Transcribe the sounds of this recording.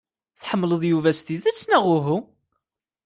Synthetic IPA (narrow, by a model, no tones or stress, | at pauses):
θħəmːləðˤjuvæst̪iðæt͡sːnæʁʊɦu